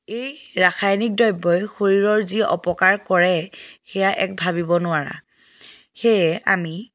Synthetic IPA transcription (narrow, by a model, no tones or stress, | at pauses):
ejɹaxajnik̚dɔjbːɔjxoɹiɹɔɹziʔɔ̰pɔkaɹkɔɹɛxɛjaʔɛ̰k̚bʱaβibɔnʊaɹa̰ | xejɛa̰mi